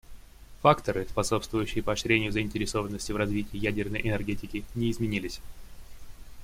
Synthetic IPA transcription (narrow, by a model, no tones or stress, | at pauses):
fakt̪əɾɨspɐso̞pst̪vʊjʉɕːɪjəpəɐɕɾʲenʲɪjʊzəɪnʲtʲɪɾʲɪso̞vənːəsʲtʲɪvrɐzvʲitʲɪːjædʲɪrnəjʔɪnʲɛrɡʲetʲɪkʲɪnʲɪɪzmʲɪnʲilʲɪsʲ